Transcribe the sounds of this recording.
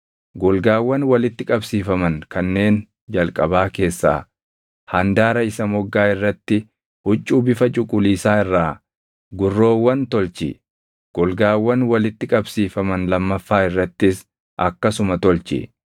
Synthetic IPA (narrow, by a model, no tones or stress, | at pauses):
ɡɔlɡaːwːɐnwɐlɪt̪ːɪkʼɐbsiːfɐmɐnkɐnːe̞ːn | d͡ʒɐlkʼɐbaːke̞ːsːa̰ː | hɐnd̪aːɾɐɪsɐmɔɡːaːɪrːɐt̪ːɪ | hʊt͡ʃʼːuːbɪfɐt͡ʃʼʊkʼːʊliːsaːɪrːaː | ɡʊrːo̞ːwːɐnt̪ɔlt͡ʃɪ̰ | ɡ̥ɔlɡaːwːɐnwɐlɪt̪ːɪkʼɐbsiːfɐmɐnlɐmːɐfːaːɪrːɐt̪ːɪs | ʔɐkːɐsʊmɐt̪ɔlt͡ʃɪ̰